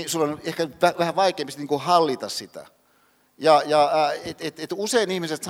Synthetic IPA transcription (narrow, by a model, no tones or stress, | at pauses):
isulːɑnehkæt̪ʋæʋæhæʋɑikˑeˑːmpist̪niːŋkuhɑlːit̪ɑssit̪æ̰ | jɑjɑet̪et̪et̪useinihmiset̪s